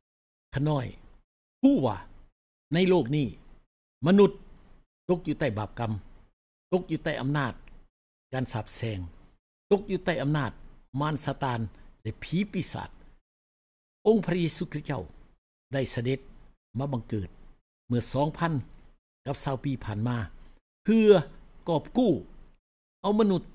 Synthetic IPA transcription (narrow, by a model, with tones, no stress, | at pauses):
kʰa˧˩nɔː˧˥˩j | kʰuː˧˥˩wa̰ː˧˩ | na˧˨jloː˥˧˩k̚niː˧˩ | ma˧nu˧˦t̪̚ː | o˧˥k̚juː˧t̪a˧˩jbaː˨˩p̚ka˧m | t̪o˧˥k̚juː˧˦t̪a˧˩jʔa˧mnaː˧˥˩t̪̚ | kaː˧˨nsaː˨˩p̚sɛː˧ŋ | t̪o˧˥k̚juː˧˦t̪a˧˩jʔa˧mnaː˧˩t̪̚maː˧˥˨nsaː˧t̪aː˧nlɛ˧pʰiː˨˦pi˧˩sa̰ː˨˩t̪̚ | ʔo˧ŋpʰɾa˧jeː˧suː˧kʰɾi˦˥t̪̚t͡ɕa̰˥˩w | da˧˥˩jsa˧de˧˦t̪̚ | maː˧˩ba˧ŋkɤː˨˩t̪̚ | mɯ˧˩ɐsɔː˨˦ŋpʰa˧˥˨n | ka˧˥p̚saː˧˩wpiː˧pʰaː˨˩nmaː˧ | pʰɯː˧ɐkɔː˨˩p̚kuː˥˩ | ʔa˧˩wma˧nu˧˥t̪̚